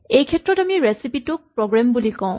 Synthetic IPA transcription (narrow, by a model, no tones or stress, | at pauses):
ejkʰɛtɹɔtamiɹesipitʊk̚pɹɔɡɹambulikɔ̃ʊ̃